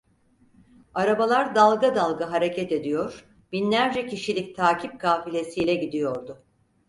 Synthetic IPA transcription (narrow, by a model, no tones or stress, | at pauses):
aɾabalˠaɾd̪alˠɡad̪alˠɡaɦaɾe̞cʰɛt̪e̞d̪ijo̞ɾ̥ | binlʲæɾd͡ʒɛcʰiʃilʲic̚t̪ʰaːcʰip̚kʰaːfilʲe̞sijlʲɛɟid̪ijo̞ɾd̪ʊ